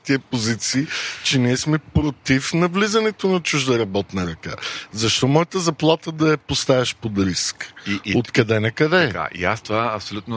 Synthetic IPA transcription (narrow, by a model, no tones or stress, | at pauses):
t̪iəpozit̪siːt͡ʃɛniɛsmɛpɾot̪ifnɐvlizɐnɛt̪onɐt͡ʃuʒd̪ɐɾɐbɔt̪nɐɾɐka̰zɐʃt̪ɔmɔjət̪əzɐplˠat̪əd̪ɐɐpost̪avɛʃpod̪ɾiskot̪kɐd̪ɛnɐkɐd̪ɛka̰ḭa̰st̪ovaɐpsolʲut̪no